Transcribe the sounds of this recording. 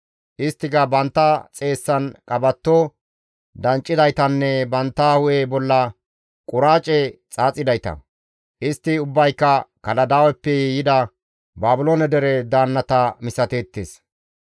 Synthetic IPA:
ʔɪst̪ːɪɡɐbɐnt̪ːɐt͡sʼe̞ːsːɐnkʼɐbɐt̪ːo | d̪ɐnt͡ʃʼːɪd̪ɐjt̪ɐnːɛbɐnt̪ːɐhʊʔebɔlːɐ | kʼʊɾaːt͡ʃʼɛt͡sʼaːt͡sʼɪd̪ɐjt̪ɐ̰ | ʔɪst̪ːɪʊbːɐjkːɐkɐlɐd̪awɛpːɛjɛjɪd̪ɐ | baːbɪloːnɛd̪ɛɾɛd̪aːnːɐt̪ɐmɪsɐt̪eːt̪ːes

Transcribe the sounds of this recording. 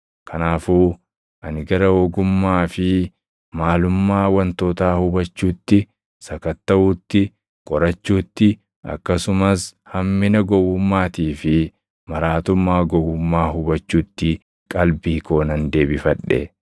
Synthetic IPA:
kʰɐnaːfuː | ʔɐnɪɡɐɾɐoɡʊmːaːfɪ | maːlʊmːaːwɐnt̪oːt̪aːhʊbɐt͡ʃːuːt̪ːɪ | sɐkɐt̪ːɐʔʊːt̪ːɪ | kʼɔɾɐt͡ʃːuːt̪ːɪ | ɐ̰kːɐsʊmɐshɐmːɪnɐɡɔwʊmːaːt̪iːfɪ | mɐɾaːt̪ʊmːaːɡɔwʊmːaːhʊbɐt͡ʃːuːt̪ːɪ | kʼɐlbiːkoːnɐnd̪e̞ːbɪfɐᶑːɛ̰

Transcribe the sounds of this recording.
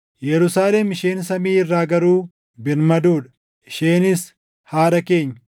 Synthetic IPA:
jɛɾʊsaːlɛmɪʃeːnsɐmiːɪrːaːɡɐɾuː | bɪɾmɐd̪uːᶑɐ̥ | ɪʃeːnɪs | haːɾɐke̞ːɲːɐ̥

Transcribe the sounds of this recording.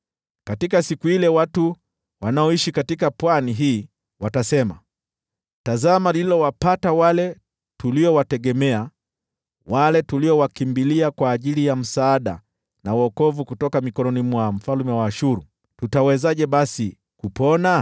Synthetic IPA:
katikasikuilɛwatu | wanaɔiʃikatikapwaniɦiː | watasɛma | tazamalililɔwapatawalɛ | tuliɔwatɛɠɛmɛa | walɛtuliɔwakimbiliakwaːʄilijam̩saːɗa̰ | nawɔkɔvukutɔkamikɔnɔnimwam̩falmɛwaːʃuɾu | tutawɛzaʄɛɓasi | kupɔna

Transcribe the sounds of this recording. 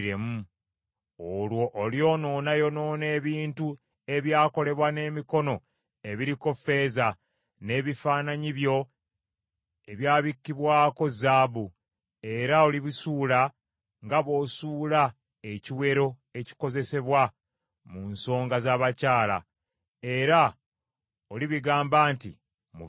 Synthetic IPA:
ɾemu | olwo̞ʔːljo̞ːno̞ːnajo̞no̞ːne̞ːβiːntu | e̞βjaːko̞le̞βwane̞ːmiko̞no̞ | e̞βiɾiko̞fe̞za | ne̞ːβifaːnaɲiβjo̞ | e̞βjaːβikːiβwaːko̞zaːβu | e̞ɾao̞liβisuːla | ŋɡaβo̞ːsuːla | e̞ciwe̞ɾo̞ | e̞ci̥ko̞ze̞se̞βwa | munso̞ːŋɡazaβacaːla̰ | e̞ɾa | oliβiɡaːmbaːntḭ | mṵ

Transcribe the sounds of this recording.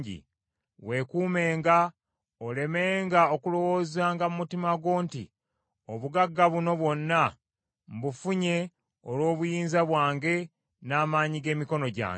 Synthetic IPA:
ɟḭ | we̞kuːme̞ːŋɡa | ole̞me̞ːŋɡao̞kulo̞wo̞ːzaːŋɡamumutimaɡwo̞ːntḭ | oβuɡaɡːaβuno̞βwo̞nːa | mbufuɲe̞ | olwo̞ːβujiːnzaβwaːŋɡe̞ | naːmaːɲiɡe̞ːmiko̞no̞ɟa̰ː

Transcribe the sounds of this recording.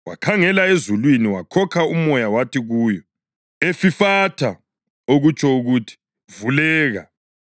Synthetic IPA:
wa̰kʰaŋɛlaezulwiniwakʰɔkʰaumɔjawatʰiɣuːjɔ | efifatʰa | oɣut͡ʃʰɔuɣutʰi̥ | vulɛːɣa̰

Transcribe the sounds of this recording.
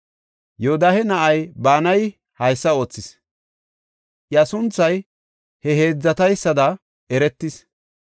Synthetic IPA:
jod̪ahɛnɐʔɐjbaːnɐj | hɐjsːɐo̞ːt͡sːɪs | ʔjɐsʊnt͡sːɐj | hɛɦe̞ːd͡zːɐt̪ɐjsːɐd̪ɐ | ɛɾɛt̪ːɪs

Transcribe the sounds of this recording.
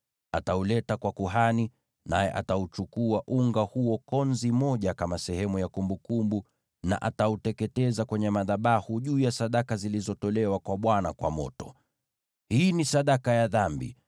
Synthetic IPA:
ataulɛtakwakuɦani | najɛ̰ʔataut͡ʃukuaʔuŋɡahuɔkɔnzimɔʄakamasɛhɛmujakumbukumbu | na̰ʔatautɛkɛtɛzakwɛɲɛmaðaɓahuʄuːjasaɗakazilizɔtɔlɛwakwaɓwanakwa̰mɔ̰tɔ̥̰ | hiːnisaɗakajaðambḭ

